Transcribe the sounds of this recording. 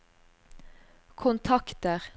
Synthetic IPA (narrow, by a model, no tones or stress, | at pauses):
kʰʊnt̪ʰɑkt̪əʁ